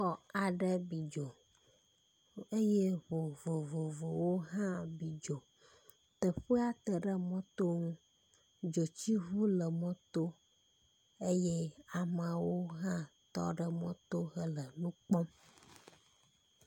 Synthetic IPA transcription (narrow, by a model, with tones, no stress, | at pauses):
xɔ˨a˨ɖə˦bi˨d͡ʒo˨ | e˦je˦βo˨vo˨vo˨vo˨wo˦ɦã˦bi˨d͡ʒo˨ | t̪ə˨ɸə˦a˦t̪ə˨ɖə˦mɔ̃˦t̪o˦ŋũ˦ | d͡ʒo˨t͡ɕi˦ɦu˦lə˨mɔ̃˦t̪o˦ | e˦je˦a˨mã˨wo˦ɦã˦t̪ɔ̰˦ɖə˨mɔ̃˦t̪o˦ɣə˦lə˨nũ˦k͡pɔ˦